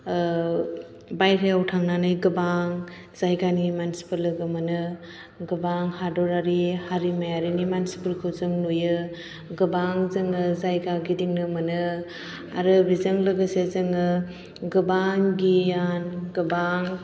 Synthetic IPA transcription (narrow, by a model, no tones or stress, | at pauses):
bajɾʰeawtʰaŋnanɯjɡɯbaŋ | z̥ajɡanimansi̥pɯlːɯɡɯmɯnɯ | ɡɯbaŋhadɔɾaɾihaɾimajaɾinimansi̥pɯlkʰɯwzɯŋnujɯ | ɡɯbaŋzɯŋɯzajɡaɡidiŋnɯmɐnɯ | aɾɯbizɯŋlɐɡɯsezɯŋɯ | ɡɯbaŋɡijanɡɯbaŋ